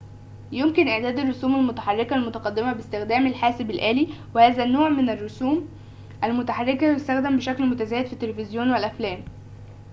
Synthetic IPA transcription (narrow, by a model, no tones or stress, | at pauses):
jomkɪnʔeʕd̪æːd̪ærˤːosuːmælmʊt̪aħɑrˤːekælmʊt̪ɑqɑd̪ːemæbest̪ɪxd̪æːmælħaːsɪbælʔæːliːwehæːzænːoːʕmenærːosuːm | ʔælmʊt̪aħɑrˤːekæjʊst̪æxd̪æmbeʃæklmʊt̪æzæːjed̪fit̪ːelefɪzjoːnwelʔæflæːm